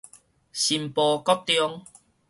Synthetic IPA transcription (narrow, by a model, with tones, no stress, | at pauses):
ɕi˨mpɔː˧kɔ˥t̚t̪jɔ˧ŋ